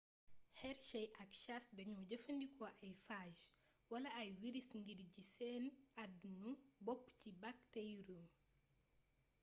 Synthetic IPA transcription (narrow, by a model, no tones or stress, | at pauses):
hɛɾʃɐjʔɐkʃasdɐɲuɟəfɐndikʰɔʔɐjfaːʒ | wɐlɐɐjwiɾisŋɡiɾɟisɛːnɐdnubɔpːcibaktɛjɾu